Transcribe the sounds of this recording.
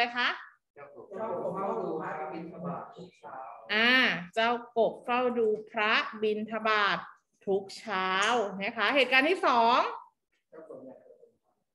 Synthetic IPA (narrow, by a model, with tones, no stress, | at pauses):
a˧jkʰa˦˥ʔ | i˧aː˨˩t̪ʰu˦˥k̚ʰːʔaː˧˩t͡ɕa˧˩wko˨˩p̚fa˥˩wduː˧pʰɾa˦˥bi˧nt̪ʰa˧baː˨˩t̪ʰː | u˦˥k̚t͡ɕʰaː˦˥wna˦˥˩kʰa˦˥ɦeː˨˩t̪̚kaː˧nt̪ʰiː˥˩sɔː˩˦ŋ